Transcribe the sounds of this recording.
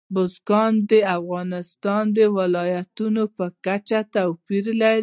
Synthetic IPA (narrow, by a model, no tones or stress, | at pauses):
bʊzɡɑnd̪əafɣɑnɪst̪ɑnd̪əwɪlɑjat̪unopəkat͡ʃat̪awpiɾlaɾ